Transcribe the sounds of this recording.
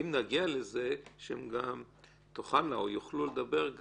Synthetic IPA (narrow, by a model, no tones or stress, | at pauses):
imnaɡialezeʃeemɡam | t̪oχanːaojuχluled̪abe̞ʁɡ